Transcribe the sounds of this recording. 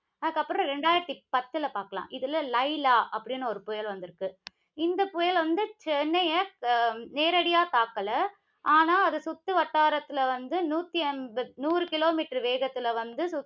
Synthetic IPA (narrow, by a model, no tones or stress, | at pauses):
ɐðɯkːɐpːɯɾɔ̃ɾɛɳɖaːjɪɾɐt̪ːipɐt̪ːɯɪlɐpaːɾkɐlã̰ːʔɪðɯlːɐlɐɪlaːʔɐpːɐɽɪnːɯɔɾɯpʊjɐlʋɐnd̪ɪɾɯkːɯ | ɪnd̪ɐpʊjɐlʋɐnd̪ɯt͡ʃɛnːɐjɐ | neːɾɐɽɪjaːt̪aːkːɐlɐ | ʔaːnaːɐðɐsʊt̪ːɯʋɐʈːaːɾɐt̪ːɯlɐʋɐnd̪ɯnuːt̪ːiɛnbɐnuːɾɯkɪloːmiːʈɐɾʋeːɣɐt̪ːɪlɐʋɐnd̪ɯsʊ